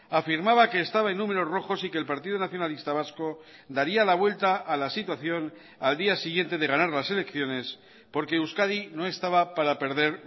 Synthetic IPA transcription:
afiɾmaβake̞ːst̪aβaenːũme̞ɾo̞sro̞xo̞sikeːlpaɾt̪iðonaθjo̞nalist̪aβ̞asko̞ | d̪aɾialaβ̞we̞lt̪aʔːlasit̪waθjo̞n | ald̪iasiɣje̞nt̪e̞ðe̞ɣ̞anaɾlase̞le̞kθjo̞ne̞s | po̞ɾke̞uskaðino̞e̞st̪aβapaɾape̞ɾðe̞ɾ

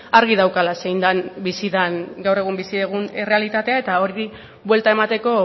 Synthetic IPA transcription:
aɾɣið̞awkalase̞jnd̪anbisiðanɡawre̞ɣ̞umbisiðeɣunere̞alit̪at̪e̞ae̞t̪ao̞ɾi | bwe̞lt̪ae̞mat̪e̞ko̞

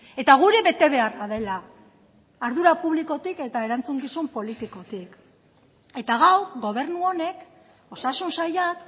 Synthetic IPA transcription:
e̞t̪aɣ̞uɾe̞βe̞t̪e̞βe̞aɾaðe̞laː | ɾðuɾapuβ̞liko̞t̪ike̞t̪ae̞ɾant͡suŋɡisumpo̞lit̪iko̞t̪ik | e̞t̪aɣawɣo̞β̞e̞ɾnuo̞ne̞k | o̞sasunsajat̪

